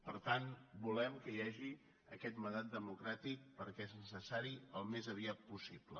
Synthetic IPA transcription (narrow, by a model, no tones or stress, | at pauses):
pəɾt̪anbulɛmkəjaʒi | əkɛt̪mənd̪at̪d̪əmukɾat̪ik̚pəɾkɛeznəsəsaɾiəlˠmezəβiat̪̚pusiblə̰